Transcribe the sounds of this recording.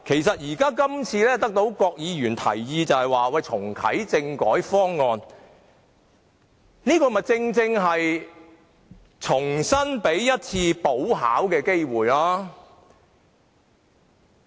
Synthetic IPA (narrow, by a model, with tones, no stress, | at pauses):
kʰe˨˩jsɐ˨t̚jiː˨˩kaː˥kɐ˥mt͡sʰiː˧lɛː˥t̪ɐ˥k̚t̪o˨˥wkɔː˧k̚jiː˨˧jyː˨˩nt̪ʰɐ̰˨˩jjiː˧t͡sɐ˨˧whɐ˨jwaː˨wɐ˧˩jt͡sʰʊ˨˩ŋkʰɐ̰˨˥jt͡sɪ˧ŋkɔː˨˥jfɔː˥ŋːɔː˨˧n | niː˥kɔː˧mɐ˨t͡sɪ˧ŋt͡sɪ˧ŋɦɐ˨j | t͡sʰʊ˨˩ŋsɐ˥npe˨˥jjɐ˥t̚t͡sʰiː˧po˨˥wɦa̰ː˨˥wkɛː˧ke˥jwuː˨˩jlaː˥